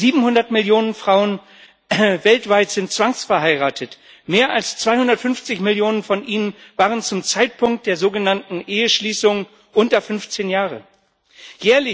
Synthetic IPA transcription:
ziːbm̩hʊndɐtmɪljoːnənfʁ̥aʊən | vɛltv̥aɪtz̥ɪnt̚t͡sv̥aŋsfɛɐhaɪʁaːtʰət | meːɐʔalst͡sv̥aɪhʊndɐtfʏnft͡sɪçmɪljoːnənfɔnʔiːnənvaːʁənt͡sʊmt͡saɪt̚pʰʊŋkt̚d̥eːɐzoːɡənantn̩ʔeːəʃliːsʊŋ | ʔʊntɐfʏnft͡seːnjaːʁə̰ | jɛːɐlɪ

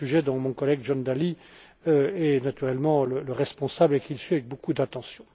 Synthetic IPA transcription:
yʒɛd̪ɑ̃mɔ̃kɔlɛɡʒɔnd̪ali | øɛnat̪yʁɛlmɑ̃lələʁɛspɔ̃sablekilsɥiavɛk̚bokud̪at̪ɑ̃sjɔ̃

